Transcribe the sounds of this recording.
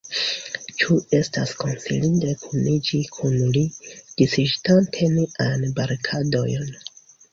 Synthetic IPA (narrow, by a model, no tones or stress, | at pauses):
t͡ʃue̞stasko̞nsḭlindekʰunid͡ʒikʰunlid̥isiʃtantʰe̞nianbaɾkʰado̰jn